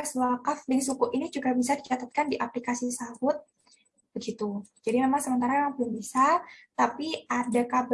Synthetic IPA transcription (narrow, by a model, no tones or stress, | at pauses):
səbuaakaflɪŋsukuʔinid͡ʒuɡabisadit͡ʃat̪at̪̚kandiʔaplikasisawʊt̪̚ | b̥əɡit̪ud͡ʒadinamaɲsəmənt̪aɾamemaŋpolʊŋbisat̪apiadakab